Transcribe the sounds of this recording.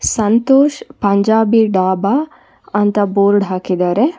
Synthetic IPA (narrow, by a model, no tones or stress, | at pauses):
sɐnt̪oːʃpɐɲd͡ʒaːbiɖaːba | ɐnt̪ɐboːɾɖɦaːkid̪aːɾe